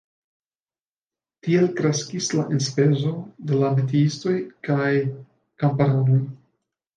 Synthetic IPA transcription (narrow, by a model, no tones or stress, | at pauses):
tie̞lkɾe̞skislaʔenspe̞zo̞de̞lamet̬iisto̞jkaj | kampaɾano̞j